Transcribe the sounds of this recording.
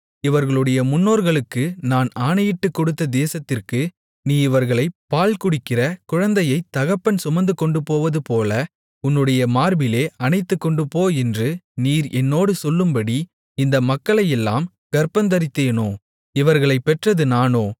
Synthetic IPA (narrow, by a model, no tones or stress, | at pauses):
ɪʋɐɾɣɐɭɯɽɐjɐmʊnːoːɾɣɐɭɯkːɯnaːnaːnɐjɪʈːɯkːɔɽɯt̪ːɐd̪eːsɐt̪ːɪrkɯ | niːɪʋɐɾɣɐɭɐɪpːaːlkʊɽɪkːɪrɐkʊɻɐnd̪ɐjɐɪt̪ːɐɣɐpːɐnsʊmɐnd̪ɯkːɔɳɖɯpoːʋɐðɯpoːlɐ | ʊnːɯɽɐjɐmaːɾbɪleːɐnɐɪt̪ːɯkːɔɳɖɯpoːɛndrɯniːɾʔɛnːoːɽɯsɔlːɯmbɐɽi | ɪnd̪ɐmɐkːɐɭɐjɛlːa̰ːm | ɡ̥ɐɾpɐnd̪ɐɾɪt̪ːeːnoː | ɪʋɐɾɣɐɭɐɪpːɛʈrɐðɯnaːnoː